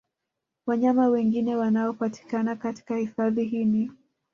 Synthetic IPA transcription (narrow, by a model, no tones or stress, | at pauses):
waɲamawɛŋɡinɛwanaɔpati̥kanakati̥kahifaðiɦini